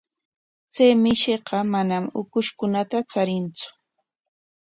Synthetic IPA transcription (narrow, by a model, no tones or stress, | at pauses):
t͡sejmɪʃeqɑmanamʊkʊʃkʊnat̪at͡saɾɪnt͡sʊ̥